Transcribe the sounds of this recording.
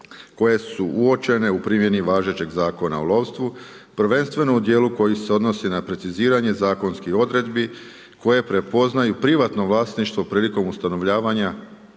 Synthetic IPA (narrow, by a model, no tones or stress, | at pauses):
ko̞je̞suʔuo̞t͡ʃe̞ne̞upɾimje̞niʋaːʒe̞t͡ɕe̞ɡzaːko̞na̰olˠo̞ʋst̪ʋu | pr̩ʋe̞nst̪ʋe̞no̞ud̪je̞ːluko̞jiseo̞d̪no̞sinapɾe̞t̪siziːɾaɲe̞zaːko̞nskixo̞d̪ɾe̞d̪bi | ko̞je̞pɾe̞po̞znajupɾiʋat̪no̞ʋlˠaːsniʃt̪ʋo̞pɾiːliko̞must̪ano̞ʋʎaːʋaɲa